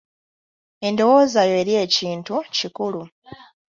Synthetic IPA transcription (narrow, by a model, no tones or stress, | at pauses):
e̞ndo̞wo̞ːzajo̞eːɾje̞ːciːntucikulu